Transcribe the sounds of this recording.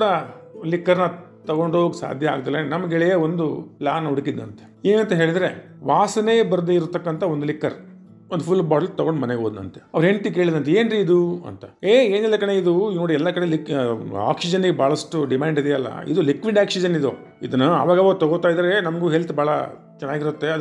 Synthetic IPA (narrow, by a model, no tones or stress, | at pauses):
kuːɽɐlikːɐɾnɐ | t̪ɐɡo̞ɳɖoːʋksa̰ːd̪ʱjɐa̰ːɡt̪ɐlenɐmɐɡɛɭɛjɐond̪ulaːnuɽkid̪nɐnt̪eeːnɐnt̪ɐɦeːɭid̪ɐɾe̞ | ʋaːsɐne̞ːbɐɾd̪e̞iɾut̪ɐkːɐnt̪ɐond̪ulikːɐɾ | ond̪upʰulːbaːʈɐlt̪ɐɡo̞ɳɖmɐneɡeɦoːd̪nɐ̰nt̪e̥ɐʋɐɾɦeɳt̪ik̬e̞ːɭid̪ɐnt̪eeːnɾiːd̪uɐ̰nt̪ɐ̥eːe̞ːnilːɐkɐɳe̞id̪unoːɽiɛlːɐkɐɽelika̰ːksid͡ʒɐnɡebʱaːɭɐsʈuɖimaːɳɖid̪ɛjɐlːɐ̰ḭd̪ulikʋiɖaːksid͡ʒɐnid̪o | id̪ɐnːɐɐ̰ʋaːɡɐʋat̪ɐɡot̪aːjd̪ɐɾe̞nɐmɐɡuːɦelt̪ubʱaːɭɐ | t͡ʃɐnaːɡiɾut̪ːe̞ɐd̪